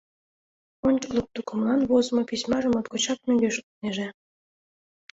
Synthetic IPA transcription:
onʲt͡ɕə̥klˠɤk̚t̪ukɤ̆mlˠɑnβozmŏpisʲmɑʒə̆mot̪kot͡ɕɑk̚møŋɡʲeʃukneʒe

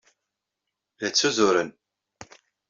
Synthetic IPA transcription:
ðæt͡sːuzʊɾən

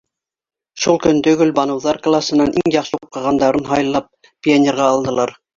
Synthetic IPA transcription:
ʃulˠkɵnt̪ɵ̆ɡɵlbɑnɤ̆wðɑɾklˠasɤ̆nɑnʔiŋjɑqʃɤup̚qɑʁɑnd̪ɑɾɤnɦɑjɤ̆lˠːɑp̚ | pʲianʲeɾʁɑːlˠd̪ɤ̆lˠɑɾ

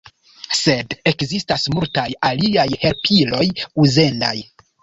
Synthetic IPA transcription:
se̞dekzistasmultajaliajhe̞lpʰilo̞juze̞nda̰j

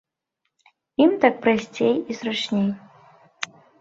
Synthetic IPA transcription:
imt̪ak̚pɾasʲt͡sʲejisrat͡ʂnʲej

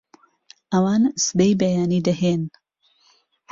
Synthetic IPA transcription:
ʔɐwaːnsɨd̪ejbɐjaːniːd̪ɐheːn

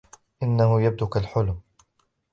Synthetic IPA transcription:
ʔɪnːahʊjab̚d̪ʊkalħʊlm

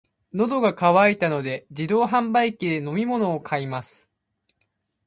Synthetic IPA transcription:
no̞d̪o̞ɡakaβait̪ano̞d̪e̞d͡ʑid̪o̞ːɦãmbaikʲid̪e̞no̞mʲimo̞no̞ːkʰaimasɨ̥

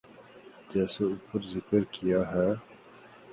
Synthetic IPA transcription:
d͡ʒɛːseʊpʰəɾzɪkəɾkijaɦɛː

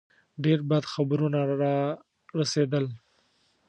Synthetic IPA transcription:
ɖeɾbad̪xabɾunaɾɑ | ɾased̪əl

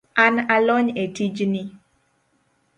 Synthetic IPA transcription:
analɔɲetid͡ʒni

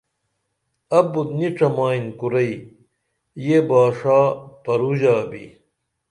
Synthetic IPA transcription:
ɐbut̪niʈ͡ʂɐmaːinkuɾɐi | jebaːʂaːpɐɾud͡ʑaːbḭ

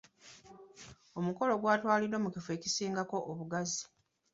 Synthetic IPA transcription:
o̞muko̞lo̞ɡwaːtwaːlidwomukifwe̞ːcisiːŋɡako̞ʔoβuɡazi̥

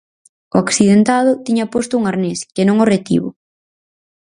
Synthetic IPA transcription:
oaksiðent̪aðʊt̪iɲapost̪ʊuŋaɾneskenõŋoret̪ḭβʊ̰

